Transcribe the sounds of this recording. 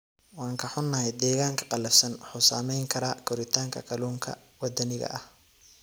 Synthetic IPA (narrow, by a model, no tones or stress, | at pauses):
wɑːŋkʰɐħʊnːɐhɛjd̪ɛːɣaːŋkʰɐ̥qɑlɐfsɐnħʊsaːmɛjŋkʰɐɾaːkʰɔɾɪt̪ʰaːŋkʰɐkʰɐluːŋkʰɐ̰ | wɐd̪ɐnɪɣɐ̰ʔɐh